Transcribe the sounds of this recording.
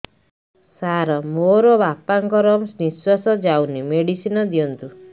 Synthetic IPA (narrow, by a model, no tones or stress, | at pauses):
saɾɔmoɾɔbapaŋkɔɾɔmsniswasɔd͡ʒawnimeɽisinɔd̪iɔnt̪u